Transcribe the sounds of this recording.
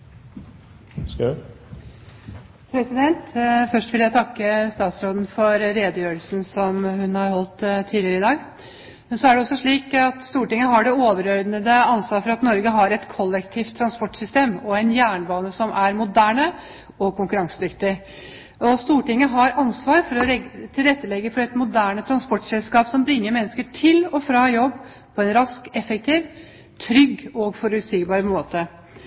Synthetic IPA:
s | pʰɾɛsɪd̪ɛnt̪fœʂʈʋɪljæt̪ʰɑkːəst̪ɑːt̪sɾoːd̪n̩fɔɾɾeːd̪əjøːəlsn̩sɔmhʉnhɑɾhɔlt̪t̪ʰːiːlɪəɾəɪd̪ɑːɡ | mɛnsɔæɖɛɔsːɔʂɭiːkɑt̪st̪uːʈɪŋːəɦɑɖɛoːʋəɾœɾd̪nəd̪əɑnsʋɑːɾfɔɾɑt̪nɔɾɡəɦɑɾɛt̪kʰɔlːɛkt̪ʰiːft̪ʰːɾɑnspɔʈsʏst̪eːmɔɛnjæːɳbɑːnəsɔmʔæɾmʊd̪æːɳə | ɔkʰʊŋkʉɾɑŋsəd̪ʏkt̪ɪ | ɔst̪uːʈɪŋːəɦɑɾɑnsʋɑːɾfɔɾɔɛt̪ʰɪlɾɛt̪ːəlɛɡːəfɔɾɛt̪mʊd̪æːɳət̪ʰɾɑnspɔʈsɛlskɑːpsɔmbɾɪŋːəɾmɛnːəskəʈʰɪlɔfɾɑːjɔbː | pʰɔɛnɾɑskɛfɛk̚t̪ʰiːʋ | t̪ʰɾʏɡːɔɡfɔɾʉt̪siːkbɑːɾəmoːt̪ə

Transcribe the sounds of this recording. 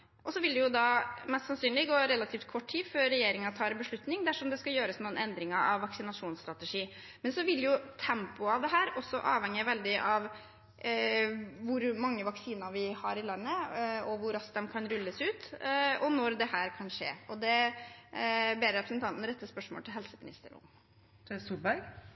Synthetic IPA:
ʔɔsɔʋɪld̪ɛjʊd̪ɑmɛst̪sɑnsyːnlɪɡoːɾɛlːɑt̪ʰiːft̪̚kʰɔʈːʰiːfœːɛjeːɾɪŋɑt̪ʰɑːɾɛnbəʂɭʉt̪nɪŋd̪æʂɔmd̪ɛskɑjøːɾəsnuːnɛnd̪ɾɪŋɑʔɑ̰ʋːɑksɪnɑʂuːnst̪ɾɑt̪ɛʂiː | mɛnsɔʋɪljʊt̪ʰɛmpʊɑʋd̪ɛɦæːɾɔsːɔʔɑːʋhɛŋjəʋɛld̪ɪʔɑʋ | ʋʊɾmɑŋːəʋɑksiːnɑʋɪhɑɾɪlɑnːəɔʋʊɾɑskd̪ɛmkʰɑnɾʉlːəsʉːt̪ɔnɔɾd̪ɛhæːɾkʰɑnʂḛːɔd̪ɛ | beːɾɾɛpɾəsnt̪ʰɑnt̪n̩ɾɛt̪ːəspœʂmo̰lʰɪlɦɛlsəmɪnɪ̰st̪ə̰ɾʊ̰m | t̪ʰɛst̪uːlbæɾɡ

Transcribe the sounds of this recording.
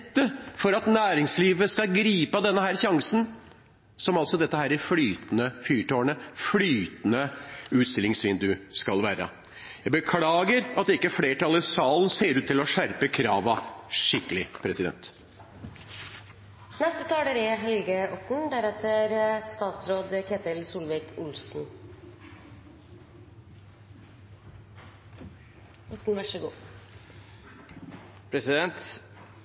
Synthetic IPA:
t̪ːəfɔɾɑt̪næːɾɪŋsliːʋəskɑɡɾiːpɑd̪ɛnːəhæːɾçɑŋsən | sɔmɑlsɔd̪ɛt̪ːəhæːɾɪflyːt̪nəfyːʈoːəɳəflyːt̪ənəʉːt̪st̪ɪlɪŋsʋɪnd̪ʉskɑlʋæːɾə̰ | jæɪbəkʰlɑːɡəɾɑt̪d̪ɪkːəfleːʈʰɑlɪsɑːln̩seːɾʉːt̪ʰːɪlɔʂæɾpəkʰɾɑːʋɑʂɪkːəlɪpʰɾɛsɪd̪ɛ̰nt̪ | nɛst̪ət̪ʰɑːɖeɾɪɦɛlɡəʔɔʈɳ̩d̪æɾɛt̪əɾst̪ɑːt̪sɾoːd̪kʰeːt̪ɪlsuːlʋɪkʰʊlsn̩ | ɔʈɳ̩ʋæʂɔɡṵː | pʰɾɛsɪd̪ɛnt̪

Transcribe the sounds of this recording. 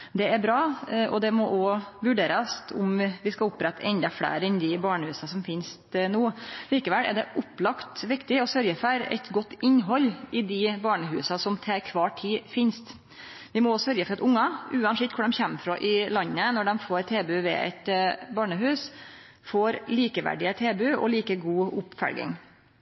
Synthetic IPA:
d̪ɛæbɾɑːʔɔd̪ɛmɔʔɔʋʉɖeːɾəsʊ̰mʋɪskɑlʊpːɾɛt̪ːʔɛnd̪ɑfɽḛːɾɛnd̪ɪbɑːɳəhʉːsɑsɔmfɪnst̪nuːliːkəʋɛlæ̰ɖɛʔʊplɑkt̪ʋɪkt̪ɪɔsœɾjəfɔɾɛ̰t̪ɡɔt̪ːɪnːɦɔlːɪd̪ɪbɑːɳəɦʉːsɑsɔmt̪ʰɛːɾkʰʋɑːʈʰiːfɪnst̪ | ʋɪmɔsœɾjəfɔɾɑt̪ʊŋːɑʉːɑnsɪt̪kʰʊɖɛmçɛmːfɾɔʔɪlɑnːənɔɖɛmfoːɾt̪ʰeːbʉʋɛ̰ʔɛ̰t̪bɑːɳəɦʉːs | foːɾliːkəʋæ̰ɖɪət̪ʰeːbʉɔ̰liːkəɡuːʊpfæ̰lɡɪ̰ŋ

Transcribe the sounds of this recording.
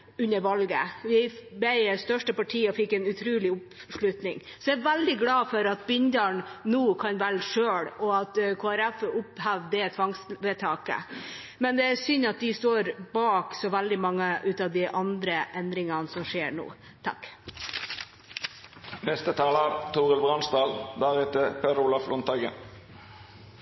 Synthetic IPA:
ʉnːəɾʋɑlɡə̰ʋɪbɛɪst̪œʂʈəpɑʈʰiːɔfɪkːɛnʉt̪ʰɾʉːlɪʊpʂɭʉt̪nɪŋsɔæʋæld̪ɪɡlɑːfɔɾɑt̪̚bɪnd̪əɳnuːkʰɑnʋælʂøːɽɔɑt̪kʰoːæɾæfʊphæʋd̪ɛt̪ʰʋɑŋsʋɛt̪ʰɑːkə̰ | mɛnd̪ɛæsʏnɑt̪̚d̪ɪst̪oːɾbɑːksɔʋæld̪ɪmɑŋːəʔʉːt̪ɑːʋd̪ɪʔɑnd̪ɾəʔɛnd̪ɾɪŋɑnsɔmʂeːɾɳṵː | t̪ʰɑ̰k | mɛst̪ət̪ʰɑːləɾt̪ʰuːʁəlbʁɑnst̪ɑːld̪æʁɛt̪əpʰɛɾuːlɑflɔnt̪ɑɡə̰n

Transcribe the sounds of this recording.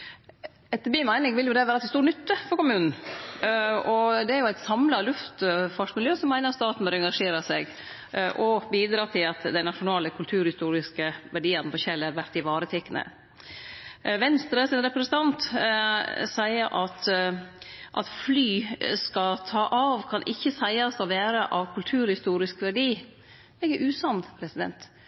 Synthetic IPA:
ɛt̪ːəbiːmæɪnɪŋʋɪljʊd̪ɛʋæːɾɑt̪st̪uːɳnʏt̪ːəfɔɾkʊmʉːnn̩ | ɔd̪ɛæɾjʊæɪt̪sɑmlɑlʉft̪fɑʂkmɪljøːsɔmːæɪnəɾst̪ɑːt̪n̩bœɾɛŋɡɑʂeːɾəsɛɡ | ʔɔbiːd̪ɾɑːt̪ʰɪlɑt̪d̪ɛɪnɑʂʊnɑːləkʰʉlt̪ʰʉːɾhɪst̪uːɾɪskəʋæɖiːənəpʰɔçɛlːəɾʋæɾt̪ɪʋɑːɾət̪ʰɛkːənə̰ | ʋɛnst̪ɾəsɪnɾɛpɾɛsənt̪ʰɑnt̪ | sæɪəɾʔɑt̪ | ʔɑ̰t̪flyːskɑt̪ʰɑːʔɑʋkʰɑnʔɪçːəsæɪɑsɔʋæːɾəʔɑʋkʰʉlt̪ʰʉːɾhɪst̪uːɾɪskʋæɖiː | ɛɡəʔʉːsɑnpʰɾɛsɪd̪ɛ̰nt̪

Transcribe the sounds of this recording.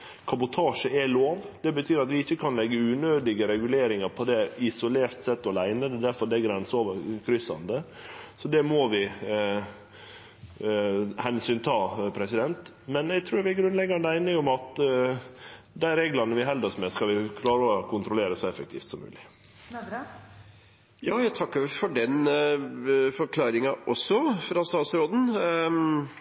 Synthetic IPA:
kʰɑbʊt̪ʰɑːʂəɛloːʋd̪̥ɛbət̪ʰyːɾɑt̪ʋɪɪçːəkʰɑnlɛɡːəʉːnøːd̪ɪɡəɾɛɡʉleːɾɪŋɑɾpʰɔd̪ɛɪsʊleːɾt̪sɛt̪ːɔlæɪnəd̪ɛd̪æɾfɔɾd̪ɛæɡɾɛnsɔʋəɾkʰɾʏsɑ̰nd̪ə | sɔd̪ɛmoʋɪ | hɛnsyːnt̪ʰɑːpʰɾɛsɪd̪ɛnt̪ | mɛnɛɡt̪ʰɾʉːɾʋɪɡɾʉnd̪lɛɡːɑnd̪əæɪnəŋʊmɑt̪ | d̪æɪɾeːɡlɑnəʋɪɦɛld̪ɑsmɛskɑlʋɪkʰlɑːɾəɔkʰʊnt̪ɾʊleːɾəsɔɛfək̚t̪ʰḭːft̪sɔmːʉ̰ːlɪ | jɑːjæt̪ʰɑkːəɾfɔɖɛn | fɔɾkʰlɑːɾɪŋɑʔɔsːɔfɾɑst̪ɑːt̪sɾoːd̪n̩

